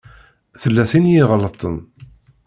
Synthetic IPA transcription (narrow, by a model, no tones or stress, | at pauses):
θəlːæθinjɪʁlət̪ˤən